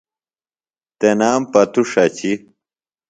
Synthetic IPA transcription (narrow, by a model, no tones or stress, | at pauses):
t̪enaːmpɐt̪uʂɐt͡ɕi